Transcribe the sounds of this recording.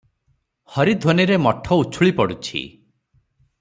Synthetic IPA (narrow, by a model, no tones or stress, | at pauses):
hɔɾid̪ʱoniɾemɔʈʰɔut͡ʃʰuɭipɔɽut͡ʃʰḭ